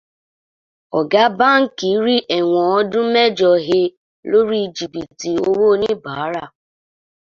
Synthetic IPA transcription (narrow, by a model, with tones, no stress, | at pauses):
ɔ˨ɡa˦ba˦ŋ̩˦ki˨i˦ɾi˦ʔe˨ŋʷɔ˨ɔ˦dʊ˦me˦d͡ʒɔ˨ɦe˦ | lo˦ɾi˦d͡ʒi˨bi˨ti˨o˦wo˦ni˦ba˨a˦ɾa˦˨